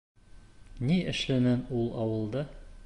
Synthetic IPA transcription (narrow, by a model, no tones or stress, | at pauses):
niɘ̆ʃlænænulˠɒwɤ̆lˠd̪ɤ